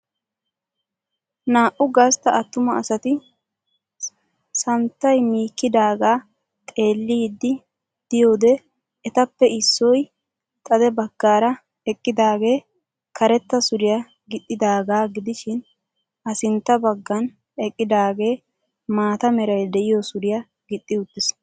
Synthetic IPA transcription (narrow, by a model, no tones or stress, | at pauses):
naːʔʊɡɐst̪ɐɐt̪ːʊmɐɐsɐt̪ɪ | sɐnt̪ːɐjmiːkːɪd̪aːɡaː | t̪ʼe̞ːlːiːd̪ːɪ | d̪̥ɪjo̞ːd̪ɛ | ɛt̪ɐpːɛɪsːɔj | t̪ʼɐd̪ɛbɐɡ̥ːaːɾɐ | ɛkʼːɪd̪aːɡe̞ː | kɐɾɛt̪ːɐsʊɾɪja | ɡɪt̪ʼːɪd̪aːɡaːɡɪd̪ɪʃɪn | ʔɐsɪnt̪ːɐbɐɡːɐn | ɛkʼːɪd̪aːɡe̞ː | maːt̪ɐmɛɾɐjd̪ɛʔɪjosʊɾɪjɐ | ɡɪt̪ʼːɪʊt̪ːɪs